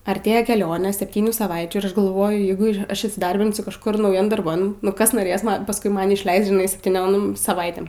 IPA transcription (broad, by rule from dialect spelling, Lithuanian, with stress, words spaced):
ɐrʲˈtʲeːjɛ kʲɛˈlʲoːnʲeː sʲɛpʲtʲiːˈnʲuː sɐˈʋɐɪt͡ʃʲuː ɪr ˈɐʃ ɡɐlˠˈʋoːjʊ ˈjɛɪɡʊ ˈɐʃ iːsʲɪˈdɐrʲbʲɪnʲsʲʊ kɐʃˈkʊr nɐʊˈjɛm dɐrˈbɐn nʊ ˈkɐs noːˈrʲeːs ˈmɐn pɐsˈkʊɪ ˈmɐn ɪʃʲˈlʲɛɪst ʒʲɪˈnɐɪ sʲɛpʲtʲiːˈnʲoːm sɐˈʋɐɪtʲeːm